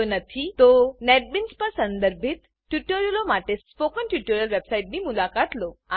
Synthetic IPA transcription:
nət̪ʰit̪onɛʈ̚binspəsənd̪əɾbʱit̪ːjuʈəɾjəlomaʈesspokənʈjuʈoɾjəlʋebsaiʈ̚niːmulakat̪loa

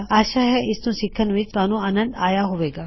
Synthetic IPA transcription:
aːʃaɦɛʔɪsnũsɪkʰːənʋɪt͡ʃt̪ʋaːnũaːnə̃nd̪aːjaɦoʋeːɡaː

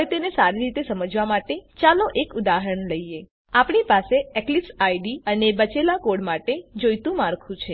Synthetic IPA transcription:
ɦəet̪enesaɾiɾit̪esəməd͡ʒʋamaʈet͡ʃalõʔekud̪aɦəɾəɳləie | apɳipaseɛklipsajɖiənebət͡ʃelakoɽmaʈed͡ʒojt̪ũmaɾkʰũt͡ʃʰe

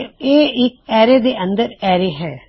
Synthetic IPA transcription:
eːɪkɛːɾed̪eɐ̃nd̪əɾɛːɾeɦɛː

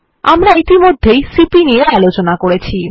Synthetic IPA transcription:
a̰mɾait̪imod̪ʱːejsipiniealot͡ɕonakoɽet͡ɕʰi

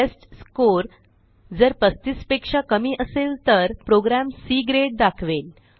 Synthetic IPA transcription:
esʈskoɾ | d͡zəɾpəst̪ispekʂakəmiːʔəselt̪əɾpɾoɡɾæmsiːɡɾeʈ̚d̪akʰʋel

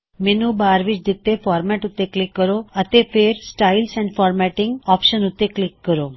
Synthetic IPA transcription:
menubaːɾʋit͡ʃd̪it̪ːefɔːɾmɛʈut̪ːeklɪkːəɾoət̪epʰeɾsʈaɪlsɛ̃ɳɖfɔːɾmɛʈɪ̃ŋɡɔːpʃənut̪ːeklɪkːəɾoː

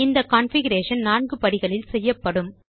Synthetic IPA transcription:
ɪnd̪ɐkaːnfɪɣɐɾeːʂɐnnaːɳɡɯpɐɽɪɣɐɭɪlsɛjːɐpːɐɽɯm

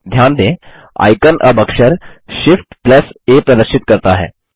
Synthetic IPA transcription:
d̪ʱjaːnd̪ẽː | a̰ːɪkənʔɐ̰bəkʃəɾʃɪfʈplɐseːpɾɐd̪əɾʃɪt̪kɐɾt̪aɦɛ̰ː

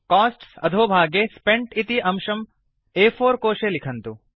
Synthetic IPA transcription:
kaːsʈsɐ̰d̪ʱoːbʱaːɡespeɳʈit̪iʔɐmʃɐm | eːpʰoːɾkoːʃelikʰɐnt̪u

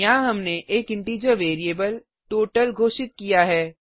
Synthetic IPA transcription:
ãɦɐmneʔeːkɪ̃ɳʈiːd͡ʒəɾʋeːɾijeːbəl | ʈoːʈəlɡʱoːʃɪt̪̚kijaɦɛː

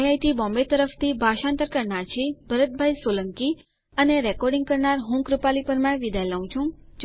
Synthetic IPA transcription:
jajt̪ibɔ̃mbet̪əɾəft̪ʰibʱaʃãnt̪əɾkəɾɳaɾt͡ʃʰebʱəɾət̪̚bʱajsoləŋki | əneɾɛkɔɾɖĩŋɡ̚kəɾnaɾɦũkɾupalipəɾmãʋid̪aləũt͡ʃʰũd͡ʒ

